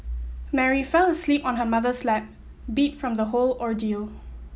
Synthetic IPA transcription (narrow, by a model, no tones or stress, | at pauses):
mɛɹifɛləslipɔ̃nɦəmaðəslɛp̚ | bitfɹɔ̃mdəholɔɹdilˠ